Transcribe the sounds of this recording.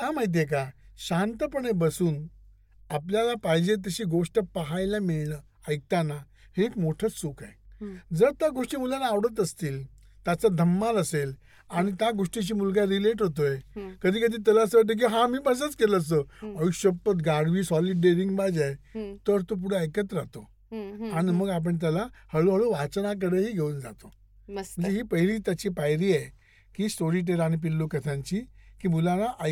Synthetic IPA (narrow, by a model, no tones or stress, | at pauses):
ɦãmajt̪̬jek̬aɕant̪əpəɳebəsuːn | apljalapajd͡ʑet̪̬əɕiːɡoʂʈəpəɦajlamiɭlə | əj̚t̪ana | hekmoʈʰət͡ssukajd͡zəɾt̪jaɡoʂʈiːmulanaːʋɽət̪̬əst̪iːl | t̪jat͡sad̪ʱəmːaləsel | aɽ̃it̪jaɡoʂʈit͡ɕiːmulɡaɾileʈɦot̪̬oekəd̪ʱiːkəd̪ʱiːt̪əlaəsəʋaʈ̪̬ək̬iɦãmiːpəs̬ət͡skeləəs̬t̪əəʋiɕəpət̪ɡaɽʋiːsɔliɖeɾiŋɡbad͡zajt̪əɾt̪op̬uɽ̤eəjkət̪ɾat̪o | aɽ̃iməɡap̬əɳt̪̬jalahəɭoɦəɭoʋat͡snak̬əɾəɦiːɡʱeund͡za̰t̪o | m̤əɳd͡zeɦiːpəɦiliːt̪jat͡ɕiːpajɾiːaj | kiːsoɾiʈ̬eɾaɽ̃ip̬ilːokət̪ʰãɲt͡ɕiːkiːmulanaʔa